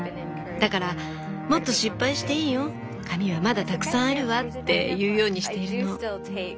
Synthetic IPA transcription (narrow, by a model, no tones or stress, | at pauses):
d̪akaɾa | mo̞t̪ːo̞ɕipːaiɕi̥t̪e̞iːjo̞ | kʰamʲiβamad̪at̪akɯ̟̥sãɰ̃aɾɯ̟βat̪ːe̞̰jɯ̟ːjo̞ːɲ̟iɕi̥t̪e̞iɾɯno̞